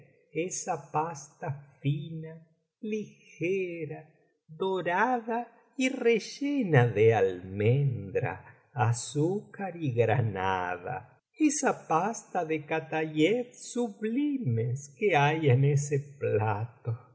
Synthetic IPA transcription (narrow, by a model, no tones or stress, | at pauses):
esapast̪afina | lixeɾa | ðoɾaða | ireʒenaðealmend̪ɾa̰ː | sukaɾiɣɾana̰ða̰ | esapast̪aðekat̪aʎetsuβlimeskeajeneseplat̪o